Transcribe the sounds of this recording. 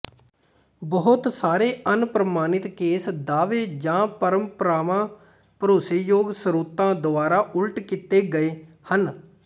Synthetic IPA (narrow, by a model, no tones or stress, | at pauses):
bəɦʊt̪saːɾeːʔənpɾəmaːnɪt̪keːsd̪aːʋeːd͡ʒãːpəɾəmpəɾaːʋãː | pəɾoːseːjoːɡsəɾuːt̪ãːd̪ʊaːɾaːʔʊlʈkɪt̪eːɡəeː | hən